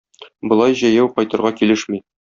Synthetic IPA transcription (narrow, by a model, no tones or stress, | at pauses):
bŏlˠɑjʑæjæwqɒjt̪ɤ̆ɾʁɑkilɘʃmi